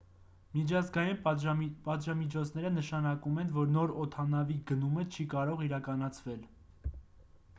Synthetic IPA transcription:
mit͡ʃʰɑzɡɑjinpɑt̪ʒɑmit͡ʃʰɔt͡sʰn̪ɛɾənəʃɑnɑkumɛnvɔɾnɔɾɔt̪ʰɑnɑviɡənumət͡ʃʰikɑɾɔʁiɾɑkɑnɑt͡sʰvɛl

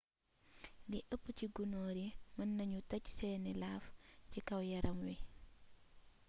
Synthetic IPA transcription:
diʔəpːciɡunoːɾimɐnːɐɲutɐcsɛːnɛlaːfcikɐwjɐɾɐmwi

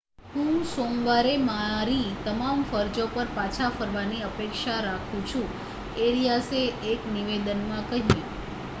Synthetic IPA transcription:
ɦũsomʋaɾemaɾit̪əmamfəɾd͡ʒopəɾpat͡ʃʰafəɾʋaniəpekʃaɾakʰũt͡ʃʰũ | eɾijaseːkniʋed̪ənmãkəɦĩ

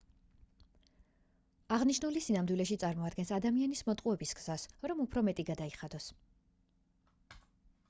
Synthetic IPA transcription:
aʁniʃnulisinamd̪wilɛʃit̪sʼaɾmɔad̪ɡɛnsad̪amianismɔt̪ʼqʼuɛbisɡz̥asɾɔmupʰɾɔmɛt̪ʼiɡad̪aiχad̪ɔs

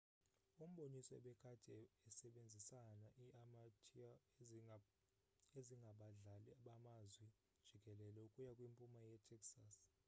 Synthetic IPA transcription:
um̩ɓonisɔɛɓɛkʰatʰʼɛɛsɛɓend͡zʱisanaʔiaatʰa | eziŋɡʱaɓaɮaliaɓamazwi | d̥ʒ̥ʱiɡʱʼɛlɛlɛukʼujakʼwimpʼumajɛtʰɛksas

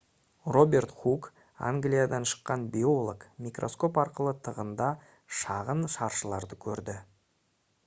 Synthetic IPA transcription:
ro̞bʲe̞rt̪χuk | a̰ŋɡlʲijad̪ɑnʃə̥qːɑnbʲio̞lˠokmʲikrʔo̞̰sko̞pɑɾqəlˠət̪ʰəʁənd̪ɑ | ʃɑʁənʃɑɾʃəlˠɑɾd̪əkʲʰɵɾd̪ɪ

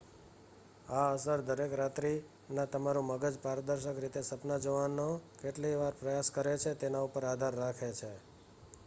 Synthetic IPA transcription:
aəsəɾd̪əɾekɾat̪ɾi | nãt̪əmaɾũməɡəd͡ʒpaɾəd̪əɾʃəkɾit̪esəpnad͡ʒəʋanːokeʈliʋaɾpɾəjaskəɾet͡ʃʰet̪enaupəɾad̪ʱaɾːakʰet͡ʃʰe

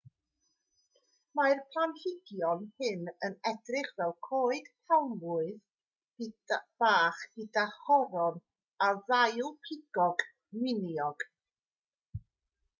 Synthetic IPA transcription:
majrpʰlˠanhɪɡjɔnhɪnənɛdrɪχvɛlˠkʰoːɨd̥pʰɛwmvʊɨð | b̥aːχɨdaχɔɾɔn | aðajlˠpʰɪɡ̥ɔɡ | mɪnjɔɡ̥

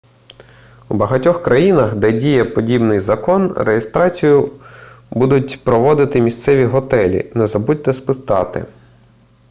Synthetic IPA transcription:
wbɐɦɐtʲɔxkɾɐjinɐxd̪ɛdʲijɛpɔdʲibnɪjzɐkɔnrejest̪ɾɑt͡sʲijʊ | bud̪ʊt̚ʲpɾɔʋɔd̪ɪt̪ɪmʲist̪sɛʋʲiɦɔt̪ɛlʲḭnɛzɐbudʲt̪ɛspɪst̪ɑt̪ɪ̰

